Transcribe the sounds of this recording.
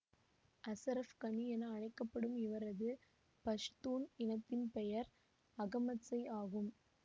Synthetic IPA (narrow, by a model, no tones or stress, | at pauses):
ʔɐsɐɾɐfkɐnijɛnɐːɻɐɪkːɐpːɐɽɯmɪʋɐɾɐðɯ | pɐʂt̪uːnɪnɐt̪ːɪnpɛjɐɾ | ɐɣɐmɐsɐɪaːɣɯm